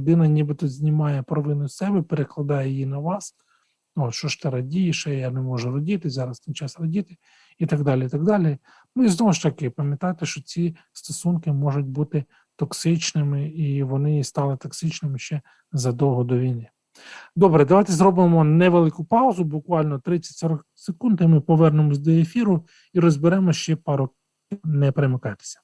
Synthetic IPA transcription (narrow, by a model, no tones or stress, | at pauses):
d̪ɪnɐnʲibɪt̪ɔzʲnʲimɑjɛpɾɔʋɪnʊssɛbɛpeɾeklˠɐd̪ɑjɛjinɐʋɑs | ɔt̪ʃɔʃt̪ɪɾɐdʲijɪʃɛjanɛmɔʒʊrɔdʲit̪ɪzɑɾɐst̪ɪnt͡ʃɑsrɐdʲit̪ɪ | it̪ɐɡd̪ɑlʲiit̪ɐɡ̚d̪ɑlʲi | nuiznɔʋɔʃt̪ɐkɪpɐmʲjɐt̪ɑjt̪eʃt͡ʃɔt͡sʲist̪ɔsunkɪmɔʒʊt̚ʲbut̪ɪ | t̪ɔksɪt͡ʃnɪmɪiʋɔnɪst̪ɑlˠɪt̪ɔksɪt͡ʃnɪmɪʃt͡ʃɛ | zɐd̪ɔwɦɔd̪ɔʋʲijnɪ | d̪ɔbɾɛd̪ɐʋɑjt̪ɛzɾɔbɪmɔnɛʋelˠɪkʊpɑʊzʊbʊkʋɑlʲnɔt̪ɾɪt͡sʲːɐ̥tʲsɔɾɔksekund̪ɪmɪpɔʋɛrnemɔzʲd̪ɔefʲiɾʊ | iɾɔzʲbɪɾɛmɔʃt͡ʃɛpɑɾɔkʲ | inɛpɾemekɑjt̪e̥sʲɐ̥